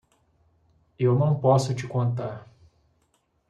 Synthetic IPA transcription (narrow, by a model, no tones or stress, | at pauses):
ewnɐ̃w̃pɔsʊt͡ʃɪkõnt̪aɾ